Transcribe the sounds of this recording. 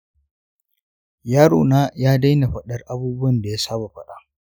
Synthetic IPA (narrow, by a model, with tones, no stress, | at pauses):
jaː˦ɾo̰ː˨naː˦jaː˦da˦jna˨ɸɐ˦ɗɐ˦rʔa˦buː˦bʊ˦wɐ˨nda˨ja˦saː˦ba˨ɸɐ˦ɗa˦ʔ